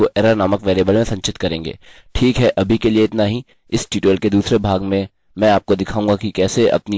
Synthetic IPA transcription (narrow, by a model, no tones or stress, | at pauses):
oʔɛːɾaɾnaːməkʋɛːɾjebəlmẽsɐ̃ɲt͡ʃɪt̪kɐɾẽːŋɡḛː | ʈʰiːkɦɛʔɐbʱikelieɪt̪naɦi | ɪsʈiːʈoəlked̪uːsɾebʱaːɡmẽ | mɛ̃aːp̚kod̪ɪkʰaːũːŋɡakikɛːseʔɐ̰pni